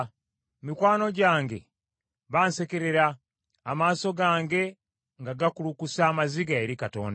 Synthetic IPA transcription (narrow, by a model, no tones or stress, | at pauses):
mikwaːno̞ɟaːŋɡe̞̰ | βaːnse̞ke̞ɾe̞ɾaː | maːso̞ɡaːŋɡe̞ | ŋɡaɡakulukusaːmaziɡae̞ɾikato̞̰ːnd